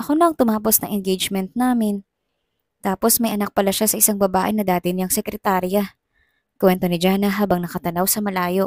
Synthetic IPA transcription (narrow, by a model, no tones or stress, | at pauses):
ʔɐko̞noʔɐŋt̪ʊmaːpo̞snɐ̰ŋʔɛnɡejd͡ʒmɛnt̪̚naːmɪn | t̪aːpo̞smɐjʔɐnɐk̚pɐlaʃasɐʔɪsaŋbɐbaːʔɪnɐd̪aːt̪ɪnɪaŋsɛkɾɛt̪aːɾjɐ | kwɛnt̪o̞nɪd͡ʒaːnɐɦaːbɐŋnɐkɐt̪ɐnɐwsɐmɐlaːjo̞ʔ